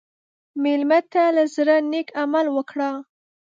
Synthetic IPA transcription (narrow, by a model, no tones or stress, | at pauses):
melmat̪alazɾənekamalwəkɽa